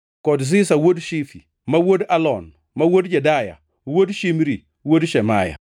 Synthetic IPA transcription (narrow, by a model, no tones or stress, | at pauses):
kɔdz̬isawodʃifi | mawodalɔn | mawodd͡ʒɛdaja̰ | wodʃimɾi | wodʃɛmaja̰